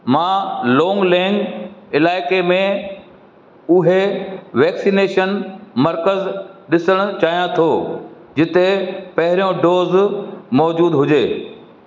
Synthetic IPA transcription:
mãːlɔːŋɡlɛ̃ːŋɡɪlaːɪkemẽ | ʊɦeʋɛːksiːneːʃənmɐɾkəzɗɪsəɽ̃ʊ̆t͡ɕaːɦijãt̪ʰoː | d͡ʑɪt̪epɐɦɪɾijõɖoːzmɔːd͡ʑuːd̪ɦʊd͡ʑeː

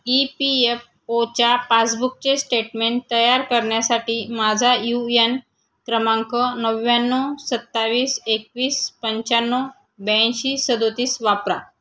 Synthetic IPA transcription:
ipief | ot͡ɕapat͡sbuk̚t͡ɕesʈeʈmeɳʈt̪ːəjaɾkəɾɳjasaʈiːmad͡zʱajujen | kɾəmãŋkənəʋːjanːɔsət̪ːaʋiːsekʋiːspəɲt͡ɕanːɔ | bẽɕiːsəd̪ot̪iːsʋapɾa̰

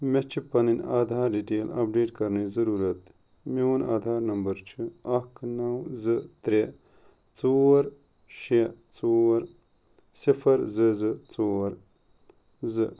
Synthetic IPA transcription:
met͡ʃʰipɐninaːd̪ʱaːɾɖiʈeːlɐ̰p̚ɖeːʈkɐɾnizɐɾuːɾɐt̪ | mewna̰ːd̪ʱaːɾnɐmbɐɾt͡ʃʰiɐkʰnɐwzɨt̪ɾe | t͡soːɾ | ʃet͡soɾ | sifʰɐɾzɨzɨt͡soːɾ | zɨ

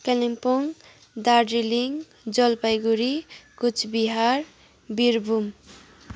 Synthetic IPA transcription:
kelimpuŋ | d̪aɾɖɾiliŋ | d͡zʌlpajɡuɾikut͡ʃʰbiɦaɾ | biɾbʱum

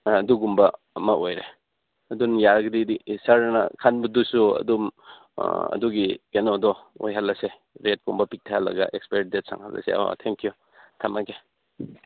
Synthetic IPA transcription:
ɐduɡumbɐ | ɐmɐʔojɾe | ɐdunjaɾɡdidisaɾnɐ̰kʰanbɐdusuɐ̰dum | ɐ̰duɡikenodɔo̰jɦalːɐse | ɾet̚kumbɐpik̚tʰahalːɐ̰ɡɐ̰ʔekspeidet̚sa̰ŋha̰lɐ̰sḛo̰t̪ʰeŋkju | tʰamaɡe

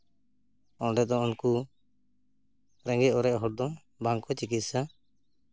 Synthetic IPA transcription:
ɔɖɛd̪ɔunku | ɾɛ̃ŋɡɛɔɾɛʔɦɔɽ̚d̪ɔ | baŋkɔt͡ʃikit̪̚sa

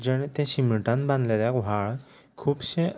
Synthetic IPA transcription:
d͡ʑəɽ̃t̪ẽɕiməɭʈãnbãnd̪leljakʋaɭ | kʰuːbɕẽ

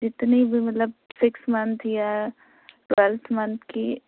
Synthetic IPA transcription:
d͡ʒɪt̪nibʱimɐt̪ləb̚sɪksmɐnt̪ʰja | ʈwɛlt̪ʰmɐ̃nt̪ʰki

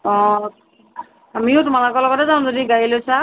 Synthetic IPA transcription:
ɔ̃ | amiʊtmalakɔlɔɡɔtɛzaw̃zodiɡajilojsa

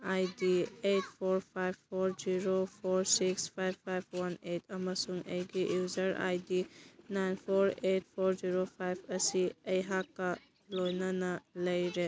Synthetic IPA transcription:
ajdiet̚pʰoɾpʰajboɾziɾopʰoɾsikspʰajbʰajb̚ʰwanetʰɐmɐsuŋɐjɡijuzɐɾa̰jdinajnpʰoɾet̚pʰoɾziɾopʰajpʰɐsiɐjɦakːɐ | lojnɐnɐlɐjɾe

